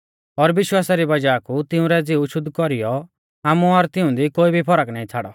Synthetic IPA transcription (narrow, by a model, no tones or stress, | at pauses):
ɔɾʋɪʃwaːsaɾibɐd͡ʒaːkut̪ɪũɾɛd͡zɪuʃʊd̪kɔɾɪjɔ | aːmũɔɾt̪ɪʊ̃d̪ikoːibʱipʰɔɾəknaːĩt͡sʰaːɽɔ